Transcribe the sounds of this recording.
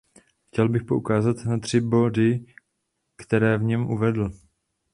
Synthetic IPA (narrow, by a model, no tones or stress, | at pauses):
xcɛlbɪxpo̞ʔukaːzat̪nat̪r̝̥ɪbo̞dɪ | kt̪ɛɾɛːvɲɛmʔuvɛdl̩